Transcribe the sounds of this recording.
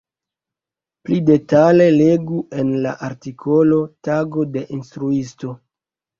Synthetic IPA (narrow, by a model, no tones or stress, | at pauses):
plide̞tale̞le̞ɡue̞nla̰ʔaɾtikʰo̞lo̞taɡo̞de̞ʔinstɾuisto̞